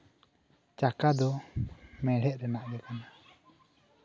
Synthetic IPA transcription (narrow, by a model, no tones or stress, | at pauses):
t͡ʃakad̪ɔ | mɛɽ̤ɛʔ̪̚ɾɛnaʔdɛkana